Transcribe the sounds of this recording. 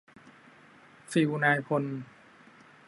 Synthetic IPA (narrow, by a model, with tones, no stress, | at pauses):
siː˨˩wu˧naː˧jkʰo˧n